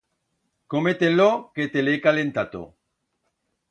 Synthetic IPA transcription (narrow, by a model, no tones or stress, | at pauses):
komet̪enloket̪elekalent̪at̪o̰